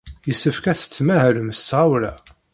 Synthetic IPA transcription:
jəsːəfkæθə̥t͡sːmæhɾəmsʁawɾæ

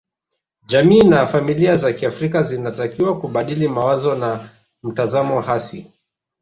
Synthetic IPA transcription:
ʄamiːnafamiliazakiafɾikazinatakiwakuɓaɗilimawazɔna | m̩tazamɔhasi

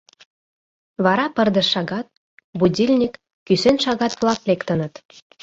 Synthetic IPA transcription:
βɑɾɑpə̆rd̪ə̆ʃːɑɣɑt̪̚ | budʲilʲnʲikː | ysenʃɑɣɑt̪βlˠɑklekt̪ə̆nə̆t̪

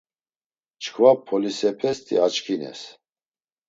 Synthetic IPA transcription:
t͡ʃʰkʰvapʰɔlisɛpʰɛst̪ʰʼḭat͡ʃkʰinɛ̰s

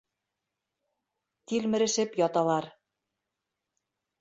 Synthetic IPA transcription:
t̪ilmɘ̆ɾɘ̆ʃɘ̆pjɑt̪ɑlˠɑɾ

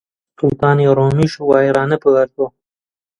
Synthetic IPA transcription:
sʊlt̪ɑːnjeɾomiʃuwɑːɾɑːnapəwaɾt̪o

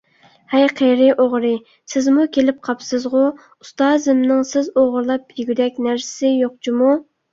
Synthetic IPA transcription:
hɛjqʰeɾɪʔoʁɾɨ | sɪzmukʲelɪp̚qʰɑpʰsɨzʁʊ | ust̪ɑːzɨmnɨŋsɪzoʁʊɾlˠɑp̚yɡʲyd̪ɛk̚ʲnæɾsɪ̥sɪjoq̚t͡ʃʰimu

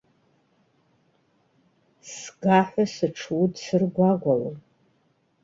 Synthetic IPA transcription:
sɡaħʷasɨʈ͡ʂʰwudsɨrɡʷaɡʷalom

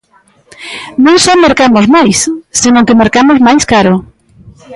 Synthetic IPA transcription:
nõŋsomeɾkamozmajsːenõŋkemeɾkamozmajskaɾo

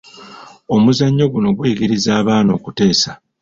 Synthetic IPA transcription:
o̞muzaɲːo̞ɡuno̞ɡwiːɡiɾizaːβaːno̞ːkute̞ːsa

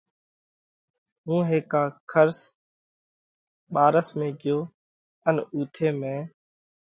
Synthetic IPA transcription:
ɦũːɦeːkaːkʰəɾs | ɓaːɾəsmẽːɡɪjoː | ənuːt̪ʰeːmẽː

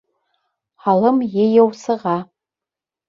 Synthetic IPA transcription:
ħalɨmjɛjɛwsɨʁa

